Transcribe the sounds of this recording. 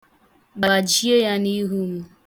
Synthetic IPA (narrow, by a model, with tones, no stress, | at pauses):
ɡ͡ba˨d͡ʒi˦e˦ja˦ni˦ɦu˦m̩˦